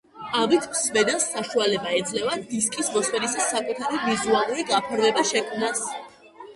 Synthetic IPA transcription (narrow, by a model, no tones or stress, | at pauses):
avit̪ʰmsvɛd̪ɛsːaʃualɛbaɛd̪zʼlɛvad̪iskʼismɔswɛɾisasakʼut̪ʰaɾivizualˠuɾiɡapʰɾvɛbaʃɛkʰnas